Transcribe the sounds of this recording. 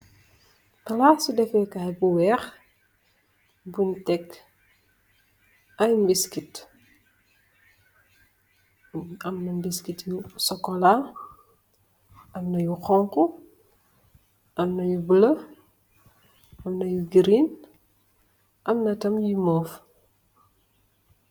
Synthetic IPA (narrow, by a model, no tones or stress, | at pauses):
tɐlasudɛfɛkaɛbuwɛːx | buntɛk | ɐjmbiskit | ɐmnɐmbiskitjusɔkːɔla | ʔɐmnɐjuxɔŋku | ʔɐmnɐjubəlɐ | ʔɐmnɐjuɡiɾin | ʔɐmnɐtɐmjimɔːf